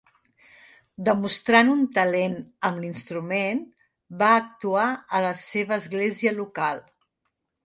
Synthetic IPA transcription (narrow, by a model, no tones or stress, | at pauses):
d̪əmust̪ɾanunt̪əlenəmlinst̪ɾumen | baək̚t̪uaələseβ̞əːzɣleziəlukalˠ